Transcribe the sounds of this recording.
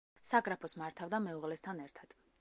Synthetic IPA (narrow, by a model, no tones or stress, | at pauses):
saɡɾapʰɔsmaɾt̪ʰavd̪amɛuʁlɛst̪ʰanɛɾt̪ʰad̪̥